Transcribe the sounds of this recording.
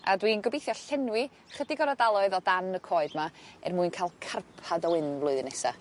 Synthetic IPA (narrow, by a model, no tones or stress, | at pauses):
a̰dwinɡəbejθjɔɬɛnwɪ | χədɪɡɔɾadalˠɔɨðɔdanəkʰoːɨdmaɛ̰rmuɨnkʰalˠkʰarpʰadɔwɪnvlˠʊɨðnɛsa̰